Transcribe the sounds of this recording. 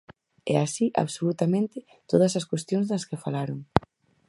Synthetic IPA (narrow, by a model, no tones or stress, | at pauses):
ɛ̰asiʔa̰βsolut̪amẽnt̪ɪ | t̪oðɐsɐskwest̪joŋzðɐskɪfalaɾoŋ